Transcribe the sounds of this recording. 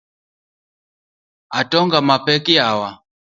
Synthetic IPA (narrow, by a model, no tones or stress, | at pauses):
atɔŋɡamapɛkiawa